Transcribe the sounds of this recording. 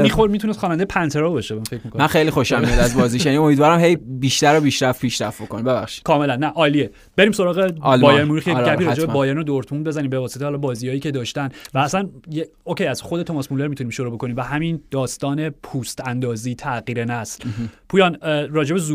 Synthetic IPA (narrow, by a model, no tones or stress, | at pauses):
mixoɾmit̪ʰunest̪χxɒːnænd̪ejepʰænt̪ʰe̞ɾɒːbɒʃebfecʰmikomænxejlixoʃæmiid̪æzbɒːziʃjænio̞mid̪vɒːɾæmhe̞jbiːʃt̪æɾobiːʃɾæft̪̚pʰiːʃɾæft̪̚bokonibeβæ̰xʃi̥d̥̪kʰɒːme̞lænːæʔɒːlie | be̞ɾiːmso̞ɾɒːɣelbɒːjeɾmuɾuːxjeɟæppiːɾɒːd͡ʒeebɒːjeɾinod̪oɾt̪ʰmund̪̚be̞zænimbe̞vɒːseehɒːlɒbɒːzijɒːjiːce̞d̪ɒːʃt̪ænvæːsænjeocʰejæz̥xo̞d̪eomɒsmuleɾmit̪uniːmʃoɾuːbokʰo̞nimvæhæmind̪̥ɒːst̪ɒːne̞pʰuːst̪ænd̪ɒːziːt̪ʰæɣiːɾenæslpʰuːjɒːnɾɒːd͡ʒe̞bezu